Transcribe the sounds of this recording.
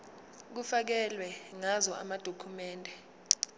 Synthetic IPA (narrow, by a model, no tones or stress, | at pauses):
k̬ufak̬ɛlwɛŋazɔʔa̰mad̥ʱokʰumɛːndʱɛ